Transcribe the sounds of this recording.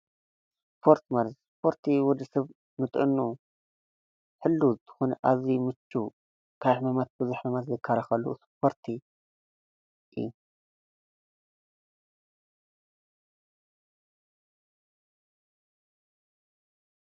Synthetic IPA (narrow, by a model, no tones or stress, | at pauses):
s | pʰo̞ɾt̪ʰmalɐt̪spʰo̞ɾt̪ʰiwɔd̪ɨsɐβ | nɨt̪ʼɨ̰nːu | ħɨlːuzɨt̪ʰɐ̥xonɐʔazimɨt͡ʃːu | kʰajħmɐmat̪̚bɨzuħmɐmat̪zɨkʰːɐɾɐxɐlːṵspʰo̞ɾt̪ʰi | ʔɨ̰ju